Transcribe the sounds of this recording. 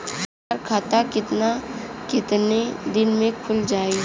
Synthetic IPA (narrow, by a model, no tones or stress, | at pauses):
aɾkʰaːt̪akɪt̪nakɪt̪ned̪ɪnmẽkʰʊld͡ʒaːe